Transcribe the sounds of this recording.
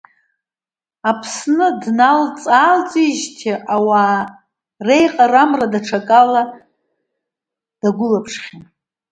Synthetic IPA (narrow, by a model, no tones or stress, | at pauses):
apʰsnɨdnalt͡sʼaːlt͡sʼiʒtʰiʔawa | rejqʼaramradaʈ͡ʂʰakʼala | d̥aɡʷʊlapʰʂχʲi